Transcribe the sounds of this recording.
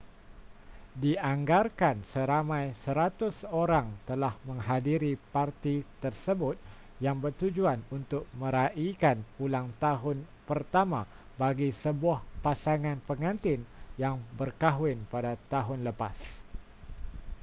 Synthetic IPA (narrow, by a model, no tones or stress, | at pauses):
diaŋɡarkansəɾamãjsəɾat̪ʊsoɾaŋt̪əlahmə̃ŋɦadiɾipart̪it̪ərsəbʊt̪̚ | jaŋbərt̪ud͡ʒuanunt̪ʊk̚mə̃ɾaʔikanpulaŋt̪aɦʊnpərt̪amã | baɡisəbuahpasaŋãnpəŋãnt̪ɪnjaŋbərkaɦwɪnpadat̪aɦʊnləpas